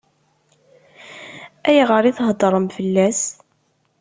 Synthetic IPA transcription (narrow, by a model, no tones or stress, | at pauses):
æjʁəɾiθɦd̪ˤɾˤəmfəlːæs